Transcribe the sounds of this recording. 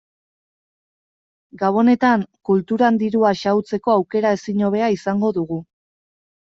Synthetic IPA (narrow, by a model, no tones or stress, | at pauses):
ɡawo̞ne̞t̪aŋkult̪uɾand̪iɾuaʃawt͡se̞ko̞awke̞ɾae̞siɲo̞β̞e̞aisaŋɡo̞ðuɣu